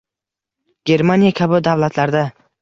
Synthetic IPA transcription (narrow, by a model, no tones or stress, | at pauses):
ɡ̥ʲe̞ɾmanijakʲʰabʊd̪awlat̪ʰlaɾd̪a